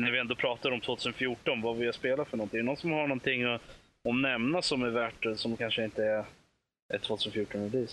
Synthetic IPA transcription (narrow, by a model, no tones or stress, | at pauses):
næɾvɪɛnd̪oːpʰɾɑːt̪aɾɔmt̪ʰvoːt̪ʰʉːsənfjuːʈːɔnvavɪljaspeːlafœɳɔnt̪ɪɛɛnɔnsɔmhaɳɔnt̪ʰɪŋːɔ | ɔmnɛmnasɔmæɾvæːʈːsɔmkʰanʂəɪnt̪əæɾ | ʔæt̪ʰvoːt̪ʰʉsənfjuːʈːɔnɛd̪iːs